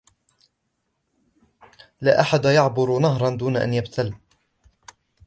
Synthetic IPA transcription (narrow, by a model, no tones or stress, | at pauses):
laːʔaħad̪ajɑʕbʊɾnaɦɾˤɑnd̪uːnaʔa̰njabt̪ʰal